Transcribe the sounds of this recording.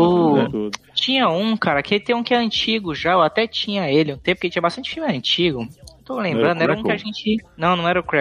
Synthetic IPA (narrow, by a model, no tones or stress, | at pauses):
ʊ | t͡ʃĩɲɐũkaɾɐkeɪt̪ẽj̃ũkɪɛɐ̃t͡ʃiɡʊʒaewat̪ɛt͡ʃĩɲɐelɪũt̪ẽpket͡ʃĩɐbast̪ɐ̃nt͡ʃɪ̥fiuwmɪɐ̃nt͡ʃiɡʊewt̪olẽmbɾɐ̃d̪ɛɾɐũkɪaʒẽnt͡ʃɪnɐ̃w̃nɐ̃w̃ɛɾɐʊkɾɛ